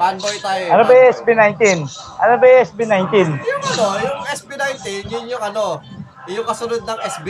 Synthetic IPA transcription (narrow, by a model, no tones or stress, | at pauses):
panbojt̪aːjoʔɐnobɐɛsbinajnt̪inʔɐnobɐʔɛsbinajnt̪injʊŋɐnojʊŋɛsbinajnt̪injʊnjʊŋɐno | jʊŋkɐsʊnod̪̚nɐŋɛsbi